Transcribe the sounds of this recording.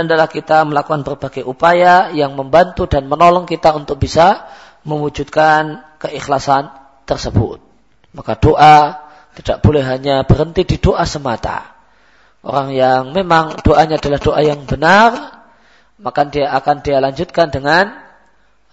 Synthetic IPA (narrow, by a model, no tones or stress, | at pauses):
andalahkit̪aməlakukanbərbaɡajʔupajajaŋməmbant̪udanmənolɔŋkit̪aunt̪ʊk̚b̥isa | məwud͡ʒud̪̚kankəʔixlasan | t̪ərsəbʊ̰t̪̚ | makad̥oʔa | t̪idaʔb̥olɛhɦaɲabəɾənt̪ididoʔasəmat̪a̰ | ʔo̰ɾaŋjaŋmemaŋd̥oʔaɲaːdalahd̥oʔajaŋbənar | makandiaːkandialaɲd͡ʒʊt̪̚kandəŋan